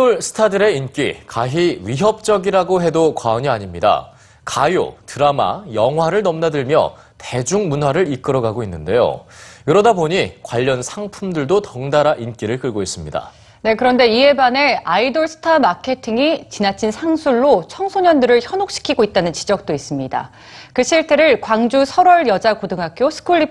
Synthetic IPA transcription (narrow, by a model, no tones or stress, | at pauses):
oɭsʰɯ̥tʰadɯɾe̞ink͈ḭkaɦiɥiɦʌp̚t͡ɕ͈ʌɡiɾaɡoɦe̞dokwaoɲiaɲimɲida̰ | kajo̰tɯɾama̰jʌŋɦwaɾɯɭnʌmnadɯɭmjʌ̰ | te̞d͡ʑuŋmunɦwaɾɯɭik͈ɯɾʌɡaɡoinːɯnde̞jo̰kɯɾʌdaboɲikwaʎːʌnsʰaŋpʰumdɯɭdotʌŋdaɾaʔink͈iɾɯɭk͈ɯɭɡois͈ɯmɲida̰ | ne̞kɯɾʌnde̞ie̞bane̞aidoɭsʰɯ̥tʰamakʰe̞tʰiŋit͡ɕinat͡ɕʰinsʰaŋsʰuɭːot͡ɕʰʌŋsʰoɲʌndɯɾɯɭçjʌnok̚ɕ͈i̥kʰiɡoit̚t͈anɯnt͡ɕid͡ʑʌk̚t͈ois͈ɯmɲida̰ | kɯɕʰiɭtʰeɾɯɭkwaŋd͡ʑusʰʌɾʌɭjʌd͡ʑakodɯŋɦak̚k͈josʰɯ̥kʰuɭːip